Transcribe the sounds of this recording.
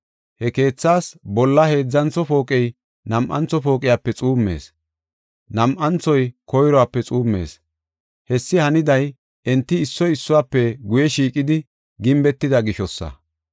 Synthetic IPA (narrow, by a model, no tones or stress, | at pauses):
hɛke̞ːt͡sːaːsbɔlːɐhe̞ːd͡zːɐnt͡sːɔpo̞ːkʼɛj | nɐmʔɐ̰nt͡sːɔpo̞ːkʼɪjaːpːɛt͡sʼuːmːe̞̰ːs | nɐmʔɐnt͡sɔjkɔjɾɔaːpːɛt͡sʼuːmːe̞̰ːs | hɛsːɪhɐnɪd̪ɐj | ʔɛnt̪ːɪːsːɔɪsːʊwaːpːɛɡʊjɛʃiːkʼɪd̪ɪ | ɡɪmbɛt̪ːɪd̪ɐɡɪʃɔsːɐ̰